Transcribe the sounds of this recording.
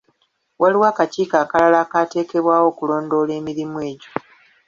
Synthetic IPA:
wʔaliwaːkaciːkaːkalalaːkate̞ːke̞βwaːwo̞ːkulo̞ːndo̞ːle̞ːmiɾimwe̞ːɟo̥

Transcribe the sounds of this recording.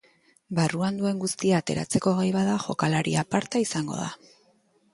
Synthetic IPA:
baruand̪ue̞ŋɡust̪iaːt̪e̞ɾa̰t͡se̞ko̞ɣejβaðaʝo̞kalaɾḭapaɾt̪aisaŋɡo̞̰ða̰

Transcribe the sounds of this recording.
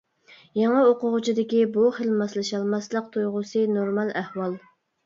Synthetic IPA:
jɑŋəoqʊʁʊt͡ʃʰid̪ɪkʲibuχəlmɑslˠɨʃɑlˠmɑslˠəq̚t̪ʰojʁʊsɨnoɾmɑlˠæhwɑlˠ

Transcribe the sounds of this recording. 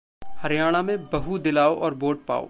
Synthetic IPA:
hɐɾjaːɽ̃amẽbɐɦud̪ɪlaːoʔɔːɾboːʈ̚pa̰ːo̰ː

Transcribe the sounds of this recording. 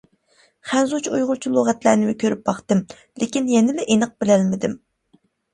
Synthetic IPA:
χænzut͡ʃʰujʁʊlˠt͡ʃʰulˠoʁæt̪læɾnɪmɪkʲʰøɾyp̚bɑχt̪ɨm | lekʲinjɛnɪlɛʔenəq̚bɪlɛlmɪd̪ɪm

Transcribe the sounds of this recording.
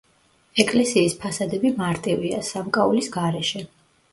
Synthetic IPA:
ɛkʼlɛsiːspʰasad̪ɛbimaɾt̪ʼivia̰samkʼaulisɡaɾɛʃɛ

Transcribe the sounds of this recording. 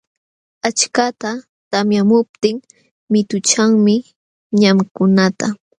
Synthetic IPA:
at͡ʃkat̪a | t̪amjamʊp̚t̪ɪŋ | mɪt̪ʊt͡ʃaŋmɪ | ɲamkʊnat̪a

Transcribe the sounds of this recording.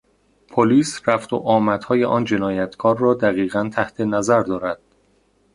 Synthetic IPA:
pʰoliːsræft̪o̰ʔɒːmæt̪hɒːjeʔɒːnd͡ʒe̞nɒːjæt̪ʰkʰɒːɾːɒːd̪æɣiːɣænt̪ʰæht̪ʰe̞næzæɾd̪ɒːɾæd̪̥

